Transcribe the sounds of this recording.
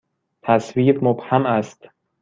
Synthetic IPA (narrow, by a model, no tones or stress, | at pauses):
t̪ʰæsviːbmobhæmæst̪